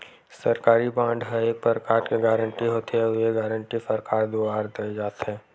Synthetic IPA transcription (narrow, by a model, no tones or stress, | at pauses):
sɐɾkaːɾibãːɳɖɦəeːk̚pəɾkaːɾkeɡaːɾə̃ɳʈiɦoːt̪eɦɛʊeɡaːɾə̃ɳʈifəɾkaːɾd̪oːaːɾd̪ɐed͡ʒaːt̪ɦɛː